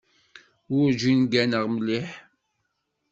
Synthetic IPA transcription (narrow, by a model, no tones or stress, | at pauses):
ʊɾʒinɡænəʁmliħ